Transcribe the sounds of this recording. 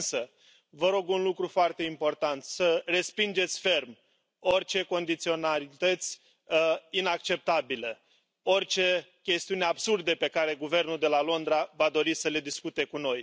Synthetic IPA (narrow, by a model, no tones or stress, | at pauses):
nsə | vəɾo̞ɡunlukɾufoart̪e̞impo̞rt̪ant̪səre̞spind͡ʒe̞t̪sʲfe̞rm | o̞rt͡ʃe̞ko̞nd̪it̪sio̞nalit̪ət̪sʲ | inak̚t͡ʃe̞p̚t̪abilə | o̞rt͡ʃe̞kʲe̞st̪iuneabsurd̪əpe̞kaɾe̞ɡuve̞rnuld̪e̞lalo̞nd̪ɾavad̪o̞ɾisəle̞d̪iskut̪e̞kuno̞j